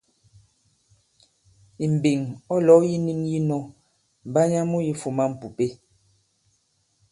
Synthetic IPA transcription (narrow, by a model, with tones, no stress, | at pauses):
i˨m̩˨bi˨ŋɔ˦lɔ˨˦ji˦ni˦ŋji˦nɔ˦ | m˨ba˦ɲa˦mu˦ji˦fu˨ma˦m̩˨pu˨pe˦